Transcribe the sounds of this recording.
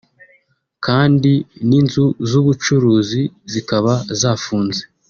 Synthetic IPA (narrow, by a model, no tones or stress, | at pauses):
kʰaːndininzuzuβut͡ʃuɾuːzizikaβazaːfuːnze